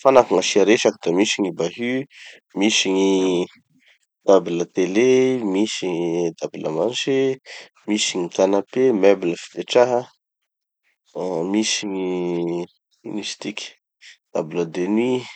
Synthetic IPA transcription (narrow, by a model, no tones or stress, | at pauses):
fanakaŋaʃiaɾeʃakid̪̥amisiŋibaɦy | misiŋi | d̪̥abilət̪elemisiɲid̪abilə̰manʃe | misiɲik̪anapemebiləfi̥d̪eʈ͡ʂaɦə | misiŋi | nisi̥t̪ikʲi̥ | d̪̥abiləd̪eni